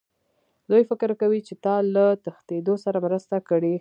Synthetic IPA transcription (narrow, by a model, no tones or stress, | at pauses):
d̪ujfɪkɾkawit͡ʃet̪ɑlat̪əxt̪ed̪osaɾamɾəst̪akəɽi